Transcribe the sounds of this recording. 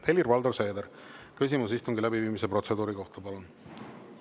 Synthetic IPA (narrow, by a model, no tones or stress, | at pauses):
e̞lirvɑld̪o̞rse̞ːd̪eɾ | kys̬ʲimusist̪uŋɡilæbiviːmise̞pro̞t̪se̞d̪uːɾiko̞ht̪ɑpɑlun